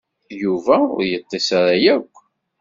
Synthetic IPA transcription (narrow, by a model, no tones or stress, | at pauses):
juvæʊ̰ɾjət̪ˤːesaɾajækʷː